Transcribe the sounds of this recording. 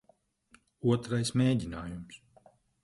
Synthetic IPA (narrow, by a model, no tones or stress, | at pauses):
uɔt̪ɾajsmeːɟʲinaːjums